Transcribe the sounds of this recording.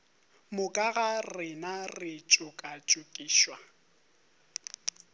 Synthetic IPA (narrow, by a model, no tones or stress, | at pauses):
mʊkʼaɣarɪnarɪt͡ʃʼʊkʼat͡ʃʼʊkʼiːʃwa